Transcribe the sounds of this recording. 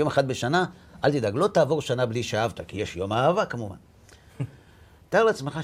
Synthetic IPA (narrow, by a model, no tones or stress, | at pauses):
jomeχat̪̚beʃanaʔalt̪id̪aɡlo̞t̪aːvo̞ʁʃanabliʃaavt̪akijeʃjo̞maavakamuva̰n | t̪aaʁleat͡smeχa